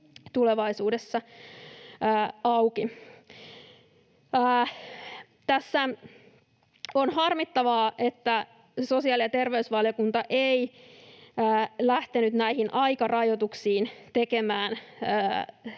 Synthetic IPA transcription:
t̪uleʋɑisuːdesːɑ | ɑwki | t̪æsːæ | onhɑrmit̪ːɑʋɑːʔet̪ːæ | so̞siɑːˑlijɑt̪e̞rʋeysʋɑljokunt̪ɑʔei | əːlæht̪enyt̪næihinʔɑikɑrɑjot̪uksiːnt̪ekemæːnː

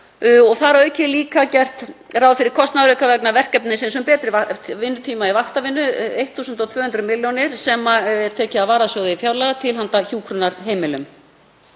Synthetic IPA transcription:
ɔɣθaɾœɥcɪliːkacɛr̥t̪rawfɪɾɪɾ̥kʰɔst̪naðɾœkavɛknavɛr̥kɛpnɪnsɛms̬ʏmpɛːt̪ɾɪvavɪnːʏt̪ʰiːmaivaht̪avɪnːʏejht̪θuːsʏnt̪ɔwt̪ʰvœːhʏnt̪ɾʏmɪljɔnɪɾ̥sɛmaɛɾ̥t̪ʰɛːcɪavaːɾasjowðɪifjaːwlaɣat̪ʰɪlɦant̪açuːkʰɾʏnaɾɦeːjmɪlʏm

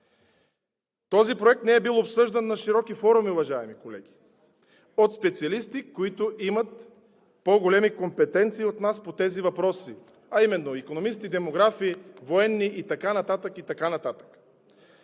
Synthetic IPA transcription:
t̪ɔzipɾoɛk̚t̪nɛɛbilˠopsɤʒd̪ɐnːɐʃiɾɔkifɔɾumiʊvɐʒaɛmikolɛ̰ɡʲi̥ | ot̪spɛt̪siɐlist̪ikoit̪ʊʔimɐt̪̚ | poɡolɛmikompɛt̪ɛnt̪siːot̪naspot̪ɛzivɐpɾɔsi | ɐimɛnːoikonomist̪id̪ɛmoɡɾafivoɛnːiʔit̪ɐkanɐt̪at̪əkit̪ɐkanɐt̪at̪ə̥k

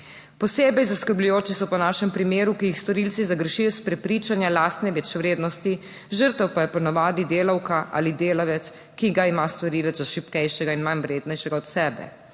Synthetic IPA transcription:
pɔseːbɛjzaskəɾblujoːt͡ʃisɔpɔnaːʃɛmpɾimeːɾukijixst̪ɔɾilt̪sizaɡɾʃijɔspɾɛpɾit͡ʃanjalaːst̪nɛʋɛt͡ʃʋɾeːd̪nɔst̪i | ʒəɾt̪ɛwpajɛpɔnaʋaːd̪id̪eːlawkaʔa̰lid̪eːlaʋɛt̪s | kiɡaimast̪ɔɾiːlɛzaʃipkɛjʃɛɡainmanʋɾeːd̪nɛjʃɛɡaɔt̪sɛːbɛ̰

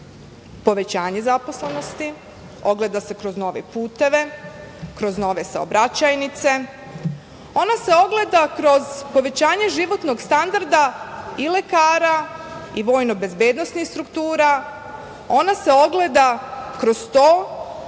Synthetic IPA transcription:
po̞ʋe̞t͡ɕaːɲe̞zapo̞sleno̞st̪i | o̞ɡle̞d̪ase̞kɾo̞zno̞ʋḛpuːt̪e̞ʋe̞kɾo̞zno̞ʋe̞sa̰o̰bɾat͡ɕajnit̪se̞ | o̞nase̞o̞ɡle̞d̪akɾo̞zpo̞ʋe̞t͡ɕaːɲeʒiʋo̞t̪no̞ɡst̪and̪aɾd̪aile̞kaːɾaiʋo̞ːjnobe̞zbjed̪nosnixst̪ɾukt̪uːɾa | o̞nase̞o̞ɡle̞d̪akɾo̞z̥t̪oː

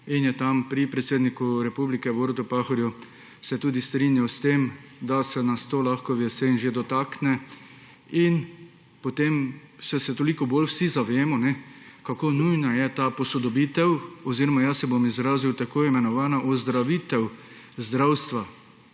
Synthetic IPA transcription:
injɛt̪ampɾipɾɛt̪seːd̪nikuɾɛpublikɛboːɾt̪ʊpaxɔɾju | sɛt̪uːd̪ist̪ɾinjawst̪emd̪asɛnast̪oːlaxkɔʋɛsenʒed̪ɔt̪aːknɛ | in | pot̪em | sɛsɛt̪olikɔboːlwsizaʋeːmɔnɛkakonujnajɛt̪apɔsɔd̪ɔbit̪ɛwɔziɾɔmajasɛbomizɾaːziwt̪akoːimɛnɔʋaːnaʔɔzd̪ɾaʋit̪ɛw | zd̪ɾawst̪ʋa

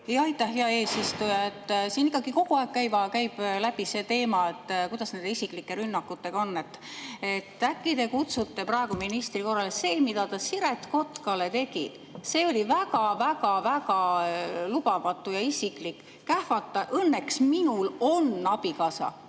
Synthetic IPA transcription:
jɑɑjt̪ːˑɑhɦeɑe̞ːsist̪ujɑet̪ˑːsiːnikːˑɑɡiko̞ɡ̥uɑˑekkːæjvɑkæjb̥læb̥ise̞ːt̪e̞ːmɑet̪ːkujd̪̥ɑsne̞nd̪eisikˑlikːˑe̞ɾynːɑkːˑut̪ːe̞ɡ̥ɑo̞nːe̞t̪ːe̞t̪ːˑækːˑid̪e̞kut̪sut̪ːe̞prɑeɡuminist̪riko̞rːɑlese̞ːmid̪ɑt̪ɑsiɾe̞t̪ko̞t̪kɑle̞t̪e̞ɡḭ | se̞ːo̞lʲivækɑvækɑvæɡɑlub̥ɑvɑt̪ːˑujɑisiklikː | æhfɑt̪ːˑɑʔɤnːe̞ksminulo̞nːɑbikɑsɑ̰

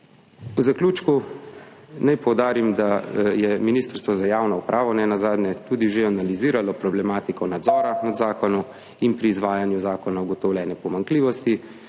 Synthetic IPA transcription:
uzakluːt͡ʃku | najpɔwd̪aːɾimd̪ajɛminiːst̪əɾst̪ʋɔzajaːwnɔupɾʔaːʋɔnɛnazaːd̪nɛt̪uːd̪iʒeanaliziːɾalɔpɾɔblɛmaːt̪ikɔnad̪zɔːɾamɛd̪zaːkɔnu | inpɾiːzʋaːjanjuzaːkɔnauɡɔt̪ɔwlʲjɛːnɛpɔmaŋkliːʋɔst̪i

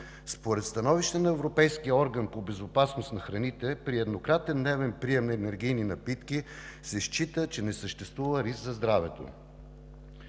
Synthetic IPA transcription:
spoɾɛt̪st̪ɐnɔviʃt̪ɛnɐɛvɾopɛjskiəɔɾɡənpobɛzopasnost̪nɐxɾɐnit̪ɛpɾiɛd̪nokɾat̪ɛnd̪nɛvɛnpɾiɛmnɐɛnɛɾɡ̟ijninɐpit̪kisɛʃt͡ʃit̪ət͡ʃɛnɛsəʃt̪ɛst̪vuvəɾiskzɐzd̪ɾavɛt̪o̰

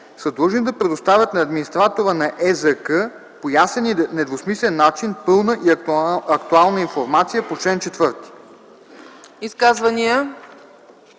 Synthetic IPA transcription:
sɐd̪əʒind̪ɐpɾɛd̪ʊst̪avʲjət̪nɐːd̪minist̪ɾat̪oɾənɐʔɛzəkə | pojasɛnnɛd̪vosmislɛnːat͡ʃinpɤlˠnəʔiɐkt̪ualˠnəinfoɾmat̪sijəpot͡ʃlɛnt͡ʃɛt̪vɤɾt̪i̥ | iskazvɐniə

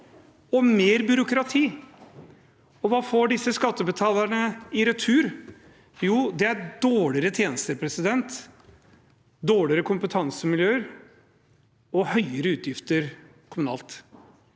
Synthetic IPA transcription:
ɔmeːɾbʏɾʊkɾɑt̪ʰiː | ɔʋɑːfoːɖɪsːəskɑt̪ːəbət̪ʰɑːləɳəɪɾɛt̪ʰʉːɾ | juːd̪ɛæɾɖoːɭɪɾət̪ʰjeːnəst̪əɾpʰɾɛsɪd̪ɛnt̪ | d̪oːɭɪɾəkʰʊmpət̪ʰɑŋsəmɪljøːəɾ | ɔhœʏəɾəʉːt̪jɪft̪əɾ | kʰʊmʉnɑ̰ːlt̪

